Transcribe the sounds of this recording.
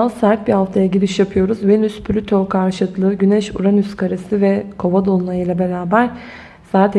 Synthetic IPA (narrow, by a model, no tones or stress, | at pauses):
asæɾt̪̚bihaft̪ʰajaɟilʲiʃjapʰɯjo̞ɾuzvenyspʰlʲyt̪ʰokʰaɾʃɯt̪lˠɯːɟynɛʃṵɾanyskʰaɾesɯvɛkʰo̞vad̪o̞lˠunajɯjlˠabe̞ɾaːbæɾ̥ | saːt̪ʰ